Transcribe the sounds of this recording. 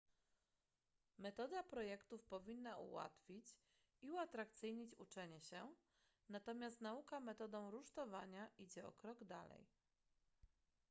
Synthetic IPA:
mɛt̪ɔd̪apɾɔjɛkt̪ufpɔvʲinːaṵwa̰t̪fʲit͡ɕ | iuat̪ɾakt̪sɘjɲit͡ɕut͡ʂɛɲɛɕɛ | nat̪ɔmʲjast̪naukamɛt̪ɔd̪ɔ̃w̃ɾuʂt̪ɔvaɲaʔid͡ʑɛɔ̰kɾɔɡd̪alɛ̰j

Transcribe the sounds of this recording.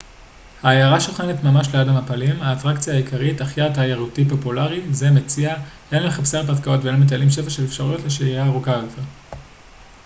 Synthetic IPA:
haːjaʁaʃuχenetmamaʃleadamapalimaːtʁakt͡sijaːjikʰaʁitaχjataːjaʁutipo̞pulaʁize̞met͡sia | enmeχapseʁpatkao̞tvelomet̬alimʃe̞faʃelefʃaʁujo̞tleʃeiaːʁukajot̪eʁ

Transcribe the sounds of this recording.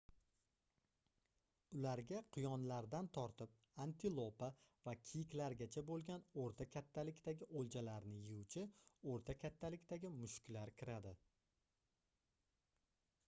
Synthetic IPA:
ʊlaɾɡʲaqʰʊjɒnlaɾd̪ant̪ʰɒɾt̪ʰɪp̚ | ant̪ʰɪlˠopavakʲʰijɪkʲlaɾɡʲat͡ʃʰabolˠɡʲanoɾt̪ʰakʲʰat̪ʰːalɪkʲt̪aɡʲɪʔolˠd͡ʒalaɾnɪjɪʊwt͡ʃʰɪoɾt̪ʰakʲʰat̪ʰːalɪkʲd̪aɡʲɪmʊʃkʲlaɾkʲʰɪɾad̪ɪ

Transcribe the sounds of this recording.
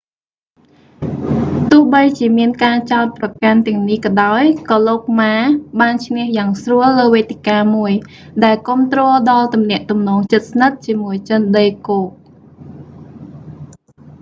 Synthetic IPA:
t̪ʊəhɓəjt͡ɕiəmiənkaːt͡ɕaɔt̪̚prɑkant̪ɛ̆əŋnihkɑɗaɔjkɑːloːk̚maːɓaːnt͡ɕʰŋɛəhjaːŋsruəlːəːʋeːt̪ikaːmuəj | ɗaɛlkŏəmt̪rɔːlɗɑlt̪umnɛ̆əʔt̪umnɔːŋt͡ɕət̪̚snət̪̚t͡ɕiəmuəjt͡ɕənɗəjkoːk̚

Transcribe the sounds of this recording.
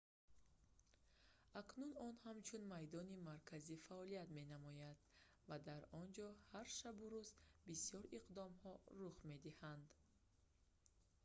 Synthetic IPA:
aknunɔnhamt͡ʃʰunmajd̪ɔnimaɾkʰazifaɔlijat̪me̞namɔjad̪̥ | vad̪aɾɔnd͡ʒɔhaɾʃabuɾuzbisiɔɾiqd̪ɔmhɔɾuχme̞d̪ihand̪

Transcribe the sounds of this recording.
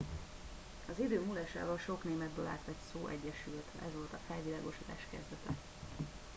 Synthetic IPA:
ɒzid̪øːmulɛːʃa̰ːvolʃo̞kneːmɛd̪̚bøːla̰ːt̪ʋɛtʲsoːʔɛɟːɛʃylt̪ɛ̰zʋo̞lt̪ɒfɛlvilaːɡo̞ʃod̪a̰ːʃkɛzd̪ɛt̪ɛ

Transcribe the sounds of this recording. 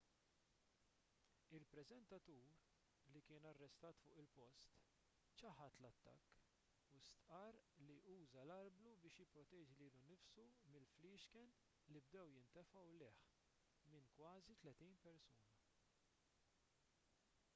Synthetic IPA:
ɪlpɾɛzɛnt̪ɐt̪uːɾ | likɪːnɐrːɛst̪ɐːt̪fʊːʔɪlpɔst̪ | t͡ʃɐħɐt̪lɐt̪ːɐ̰kː | ust̪ʔɐːɾliʔuːzɐlɐɾblubɪːʃjɪpːɾɔt̪ɛːd͡ʒiliːlunɪfsumɪlfliːʃkɛn | libd̪ɛwjɪnt̪ɛfɐwlɛːħ | mɪnkwɐːzit̪lɛt̪iːnpɛɾsuːnɐ

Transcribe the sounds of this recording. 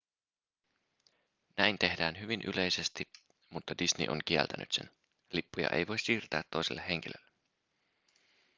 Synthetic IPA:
næjnt̪e̞hdæːnɦyʋinʔy̰lʔe̞jse̞st̪i | mut̪ːɑdisnḭʔo̰ŋkiɛ̰lt̪ænʔy̰t̪se̞̰n | lipːujɑ̰ʔe̞̰jʋo̞jsːiːrt̪æːt̪ːo̞jselːehe̞ŋk̟ilø̰lːe

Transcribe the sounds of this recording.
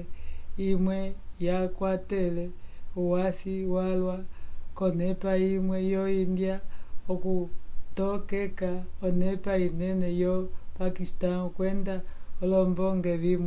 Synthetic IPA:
imwɛjakwatɛlɛuwasiwalwakɔnɛpaimwɛjɔindjaɔkutɔkɛkaɔnɛpainɛnɛjɔpakistaukwɛndaɔlɔmbɔŋɡɛβim

